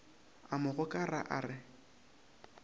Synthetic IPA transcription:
amʊɣʊkʼaraʔaːrɪ

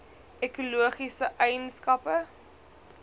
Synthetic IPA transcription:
ɛkuluəχisəʔɛjənskɐpə

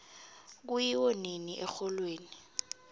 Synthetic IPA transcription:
k̬ujiwɔniniʔɛxɔlweːni

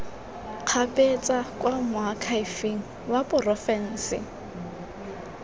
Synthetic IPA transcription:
q͡χʰapʼet͡sʼakʼwamʊakʰaifiŋ̩ | wapʼʊrɔfɛn̩ːsɪ̰

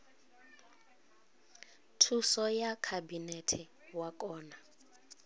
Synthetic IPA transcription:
tʰusɔjakʰabinɛtʰi | wakʼɔːna

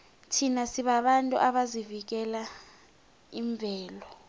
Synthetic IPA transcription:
tʰinasiɓaɓantʼṵʔaɓazivik̬ɛla | iɱb̪vʱɛːlɔ

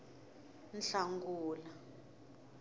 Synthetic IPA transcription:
nɬaŋɡuːla

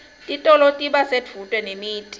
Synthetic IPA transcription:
tʼitʼɔlotʼiɓased͡vʰʱutʼwɛnemiːtʼi̥

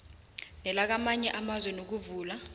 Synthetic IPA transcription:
nɛlak̬amaɲɛʔamazwɛnok̬uvuːla

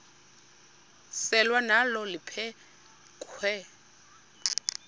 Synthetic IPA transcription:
sɛlwanalɔlɪpʰɛ | kʼwɛ

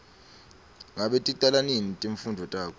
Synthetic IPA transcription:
ŋaɓetʼiǃʼalaninitʼiɱfundʱɔtʼaːkʰɔ

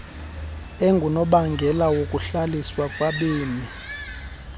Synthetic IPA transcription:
eŋɡʱunɔɓaŋɡʱɛlawokʼuɬaliswakʼwaɓiːmi

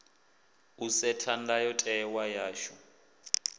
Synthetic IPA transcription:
usɛtʰandajɔtʼɛwajaːʃu

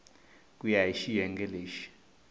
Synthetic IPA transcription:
kʼujaiʃijɛŋɡɛleːʃi̥

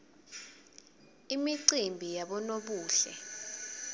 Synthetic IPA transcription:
imiǀimbʱijaɓɔnoɓuːɬɛ̰

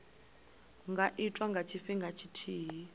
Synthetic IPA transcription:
ŋɡaʔitʼwaŋɡat͡ʃʰiɸiŋɡʱat͡ʃʰitʰiːɦi

